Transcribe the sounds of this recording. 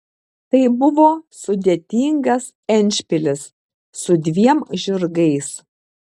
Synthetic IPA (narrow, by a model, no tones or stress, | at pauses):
t̪ɐɪbʊʋoːsʊd̪ʲet̪ʲiːŋɡɐs | ɛnʲˑʃʲpʲɪlʲɪsː | ʊd̪ʲʋʲiɛmʒʲʊɾɡɐɪs